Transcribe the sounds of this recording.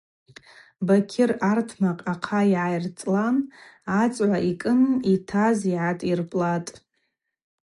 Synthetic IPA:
bakʲʰɪrartʰmaqʼaqʰaiʕajrt͡sʼlanː | t͡sʼʕʷaʔikʼɨnitʰaziʕatʼirpʼlatʼ

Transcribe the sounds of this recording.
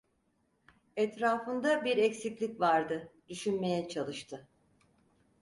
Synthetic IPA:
ɛt̪ɾaːfɯnd̪abiɾɛcsiclʲicvaɾd̪ɯd̪yʃynme̞jɛt͡ʃʰalˠɯʃt̪ʰɯ

